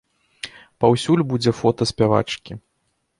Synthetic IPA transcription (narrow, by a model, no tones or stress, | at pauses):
pawsʲulʲbud͡zʲɛfɔt̪ɐsʲpʲava̰t͡ʂkʲi